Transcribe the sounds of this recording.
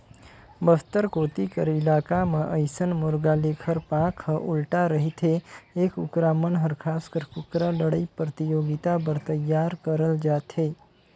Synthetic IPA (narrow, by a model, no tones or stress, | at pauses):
bəft̪əɾkoːt̪ikəɾɪlaːkamãʔəjsənmʊɾɡaleːkʰəɾpãkʰhəʔʊlʈaɾəɦit̪ʰeeːkʊ̰kɾaːmənɦəɾkʰaːskəɾkʊkɾaləɽəipɾət̪ijoːɡɪt̪abəɾt̪əjːaːɾkəɾəld͡ʒaːt̪ʰɦeː